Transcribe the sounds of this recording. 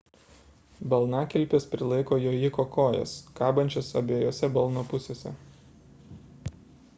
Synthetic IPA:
bɐlˠnɑkʲɛlʲˑpʲespʲɾʲɪlˠɐɪkoːjoːjɪkoːkoːjɛ̰skɑːbɐnʲt͡ʃʲoːsɐbʲeːjoːsʲɛbɐlˠnopʊsʲeːsʲɛ̰

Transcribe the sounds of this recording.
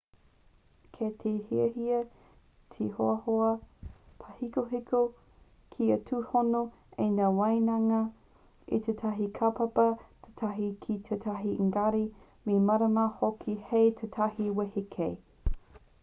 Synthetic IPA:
kʰet̪ʰeːhiɐhiɐ | tʰehoɐhoɐpʰɐhikoɦiko | kʰiɐtʰuhono | enaːwɐjnɐŋɐ | ḭt̪ʰetʰɐɦikʰɐpɐpɐt̪ʰe̥t̪ʰɐɦikʰit̪ʰetʰɐɦiŋɡɐɾi | memɐɾɐmahokʰihejt̪ʰetʰɐhiwehikʰej

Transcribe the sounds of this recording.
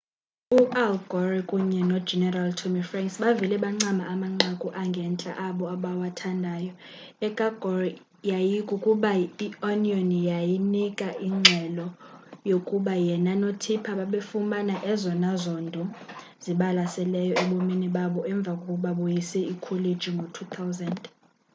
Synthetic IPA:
uʔalɡ̥ʱɔrikʼuɲɛnɔ̥d͡ʒɛnɛraltʰomifraŋksɓavilɛɓaŋ͡ǀamaːmaŋ͡ǀakʼuʔaŋɡʱɛnt͡ɬʼa̰ʔaɓɔaɓawatʰandʱaːjɔ | ɛkʼaɡ̥ʱɔri | jajikʼukʼuɓaionionjajinikʼaʔiŋ͡ǀʱɛlɔjokʼuɓajɛnanotʰipʰaɓaɓefumanaʔɛzɔnazɔndʱɔ | z̥iɓalasɛlɛjɔɛɓominiɓaɓɔʔɛɱb̪vʱakʼokʼuɓaɓujisɛikʰɔledd͡ʒʱiŋɡʱotʰut̪ʰawzand

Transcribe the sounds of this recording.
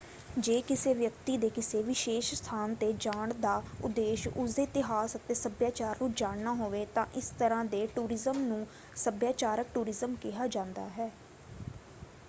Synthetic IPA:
d͡ʒeːkɪseːʋjəkt̪iːd̪eːkɪseːʋɪʃeːʃst̪ʰaːnt̪eːd͡ʒaːɳd̪aːʊ̰d̪eːʃʊsd̪eːt̪ɪɦaːsət̪eːsəbjaːt͡ʃaːɾnũːd͡ʒaːɽnaːɦoːʋeːt̪ãːʔɪst̪əɾãːd̪eːʈuːɾɪzəmnũː | səbjaːt͡ʃaːɾək̚ʈuːɾɪzəmkɪɦaːd͡ʒãːnd̪a̰ːɦɛː

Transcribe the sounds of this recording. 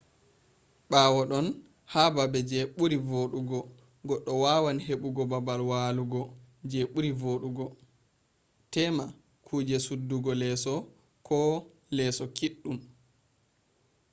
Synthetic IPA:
ɓaːwɔɗɔn | hababɛd͡ʒɛɓuɾivoɗuɡɔ | ɡɔɗːɔwawanheɓuɡɔbabalwaːluɡɔd͡ʒɛɓuɾivoɗuɡɔ | tɛma | kʰuːd͡ʒɛsudːuɡɔlɛsɔ | kʰɔ | lɛsɔkiɗːum

